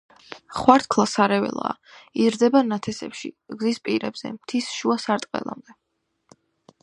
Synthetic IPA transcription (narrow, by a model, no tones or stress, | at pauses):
χwaɾt̪̚ʰkʰlˠasaɾɛvɛ̰lˠa̰ːizɾd̪ɛbanat̪ʰɛsɛ̰pʃḭɡzispʼiɾɛbz̥ɛ̰mt̪ʰisʃuasaɾt̪ʼqʼɛ̰lˠa̰md̪ɛ